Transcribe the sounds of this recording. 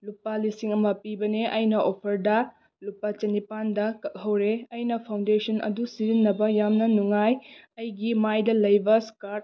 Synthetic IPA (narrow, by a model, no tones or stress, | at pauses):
lupːɐlisiŋɐmɐpibɐneʔɐjnɐʔopʰɐɾdɐ | lupːɐt͡ʃɐnipandɐkɐk̚ɦɐwɾeɐjnɐpʰawndesʰɐnʔɐ̰dusiɾinːɐbɐjamnɐnuŋajɐjɡimajdɐlɐjbɐskaɾt̚